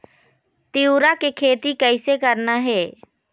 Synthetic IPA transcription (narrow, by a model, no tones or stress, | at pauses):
t̪iuɾakekʰeːt̪ikɛɪsekəɾnaɦɛː